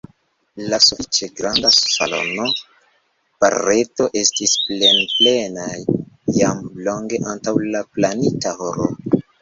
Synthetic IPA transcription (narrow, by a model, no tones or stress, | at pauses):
lasufit͡ʃe̞ɡɾandassa̰lo̞̰no̞ | pa̰ɾe̞to̞ʔe̞stisple̞nple̞najːamlo̞ŋɡe̞ʔantawlaplanitahoɾo